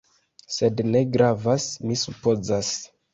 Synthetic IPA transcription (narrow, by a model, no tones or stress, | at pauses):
se̞dne̞ɡɾavasmisupo̞zas